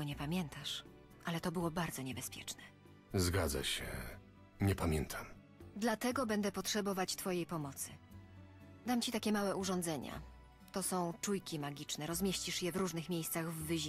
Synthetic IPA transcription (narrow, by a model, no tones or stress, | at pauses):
ɔɲɛpamʲjɛnt̪aʂ | ʔalɛt̪ɔbɘwɔbaɾd̪zɔɲɛbɛspʲjɛ̰t͡ʂnɛ | zɡad̪za̰ɕɛ̰ | ɲɛpamʲjɛnt̪ʰam | d̪lat̪ɛɡɔbɛnd̪ɛpɔtʂɛbɔvat͡ɕt̪fɔjejpɔmɔt̪sɘ | d̪amt͡ɕit̪akʲɛmawɛuʐɔ̃nd̪zɛɲa̰ | t̪ɔsɔ̃w̃t͡ʂujkʲimaɡʲit͡ʂnɛɾɔzmʲjeɕt͡ɕiʂjɛvɾuʐnɘxmʲjejst̪saɣvːɘʑi